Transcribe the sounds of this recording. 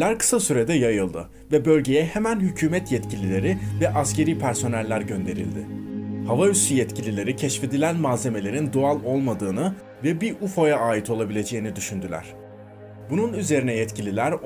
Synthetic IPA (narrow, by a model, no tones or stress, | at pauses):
æɾkɯ̥sasyɾe̞d̪ɛjajɯlˠd̪ɯ | vɛbø̞lʲɟe̞jɛhemænhycʰyːmɛt̪jɛt̪cʰilʲilʲe̞ɾɪvɛʔasce̞ɾiːpʰæɾso̞nælʲːæɾɟø̞nd̪e̞ɾḭlʲd̪ɪhavaysyjɛt̪cʰilʲilʲe̞ɾicʰɛʃfe̞d̪ilʲænmaːze̞me̞lʲe̞ɾind̪oalˠo̞lˠmad̪ɯːnɯ | vɛbiɾufo̞jaaːjit̪ʰo̞lˠabilʲe̞d͡ʒe̞jinid̪yʃynd̪ylʲæ̰ɾ̥ | bununyze̞ɾinɛjɛt̪cʰilʲilʲæɾ